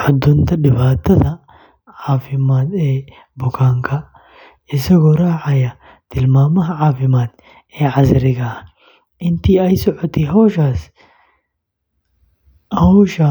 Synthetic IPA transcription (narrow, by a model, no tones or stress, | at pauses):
ħɔd̪ːʊnt̪ɐᶑɪbaːt̪ːɐt̪ɐ | ʕaːfɪmaːt̪eː | bʊkaːŋkɐ | ɪsɐɡɔɾaːʕajɐ | t̪ɪlmaːmɐɦʕaːfɪmaːt̪ | eːʕazɪɾɪɡɐ | ʔɪnt̪iɐjsɔʕɔt̪iɦoːʃaːs | ʔɐhʊʃa